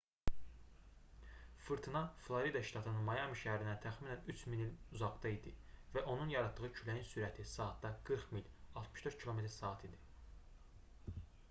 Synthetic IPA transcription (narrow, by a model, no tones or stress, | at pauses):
fɯɾt̪ʰinɑflˠoɾid̪ɑʃt̪ɑt̪ʰɯnɯnmɑjɑmiʃæhæɾinæt̪ʰæxminænyt͡ʃʰminiluzɑɡd̪ɑid̪ivæʔo̞nunjɑɾɑd̪̚ːɯʁɯcʰylæjinsyɾæt̪ʰisɑːt̪̚d̪ɑɡ̥ɯɾχmilʲɑlˠt̪mɯʃd̪øɾt̪̚cʰilˠo̞me̞t̪ʰɾsɑːt̪ʰid̪i̥